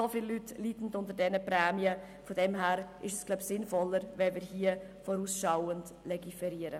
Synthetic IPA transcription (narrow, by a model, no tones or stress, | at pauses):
sofɪlːytlitn̩dʊntəɾdɛnəpɾɛːmiə | fodɛmɦæːɾʔɪʃɛsɡ̥labsɪnfɔlːəɾʋɛlmɪːɾhiːə | fɔɾuːsʃawənd | lɛɡifɛɾiːəɾə